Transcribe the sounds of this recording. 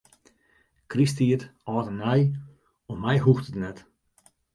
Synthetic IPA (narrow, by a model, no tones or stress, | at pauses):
kristiətɔːtənɛj | ɔmɛjɦuxtətnɛt